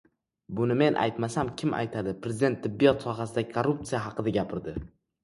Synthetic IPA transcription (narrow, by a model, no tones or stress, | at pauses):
bʊnɪme̞nʔa̰jt̪masamkʲʰɪma̰jt̪ʰad̪ɪpɾezɪd̪e̞nt̪ʰːɪbːijɒt̪sɒɦasɪd̪akʰoɾːup̚t̪sijaɦɑqɨd̪aɡʲapʰɪɾd̪ɪ